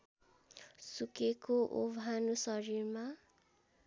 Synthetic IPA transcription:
sukekoʔo̰bʱanusʌɾirma

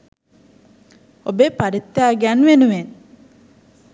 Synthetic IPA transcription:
obepaɾit̪ːjaːɡanʋenuʋen

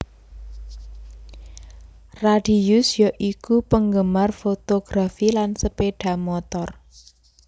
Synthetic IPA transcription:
raɖ̥i̤jusjɔʔikupəŋɡəmarfot̪oɡ̥ɾafilansəpeɖ̥a̤mɔt̪ɔr

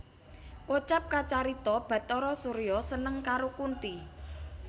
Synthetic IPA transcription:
kot͡ʃap̚kat͡ʃaɾit̪ɔb̥ä̤t̪ɔɾɔsuɾjɔsənəŋkaɾokunt̪i

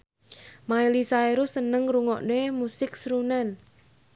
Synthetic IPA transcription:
maelisaeɾusənəŋɾuŋɔʔnemusɪk̚sɾunan

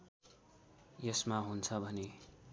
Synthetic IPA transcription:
jʌsmaɦunt͡sʰʌbʱʌne

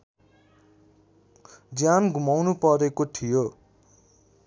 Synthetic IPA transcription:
d͡zjanɡʱumawnupʌɾekoʈʰijo

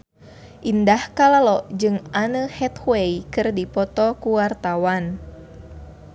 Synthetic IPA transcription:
ʔindahkalalɔʔd͡ʒɨŋʔanəhɛt̪weikɨrdipɔt̪ɔkuwart̪awan

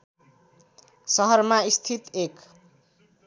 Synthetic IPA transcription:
sʌɦʌrmaist̪ʰit̪ek

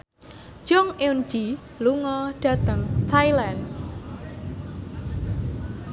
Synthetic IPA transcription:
ʒ̥ɔŋeun̥d͡ʒi | luŋɔɖ̥a̤t̪əŋst̪ʰajlan

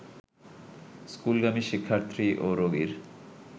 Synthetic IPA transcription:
skulɡamiʃikʰːaɾt̪ɾiʔoɾoɡiɾ

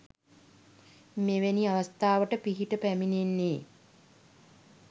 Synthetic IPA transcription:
meʋeniaʋast̪aːʋəʈəpiɦiʈəpæmininːe

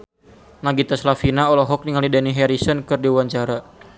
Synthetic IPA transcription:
naɡit̪aslafinaɔlɔɦɔk̚niŋalidaniɦɛɾisənkɨrdiuwaɲt͡ʃaɾa

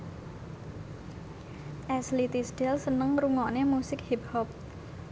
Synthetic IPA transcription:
ʔɛslit̪isɖ̥ɛlsənəŋɾuŋɔʔnemusɪkhip̚hɔp̚

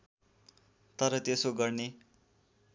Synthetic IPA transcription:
t̪ʌɾʌt̪esoɡʌrne

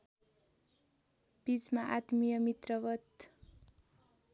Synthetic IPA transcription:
b̥it͡smaʔat̪mijʌmit̪rʌwʌt̪

